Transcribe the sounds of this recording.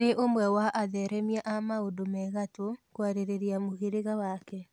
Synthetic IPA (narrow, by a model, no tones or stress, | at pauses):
eʔomwɛwaʔaðɛɾɛmiaʔamaodomɛɣatokwaɾeɾeɾeamoɣeɾeɣawakɛ